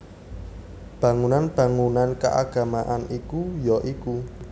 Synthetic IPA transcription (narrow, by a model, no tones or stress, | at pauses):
b̥ä̤ŋunanb̥ä̤ŋunanka̰ʔa̰ɡ̥a̤maʔanikujɔʔiku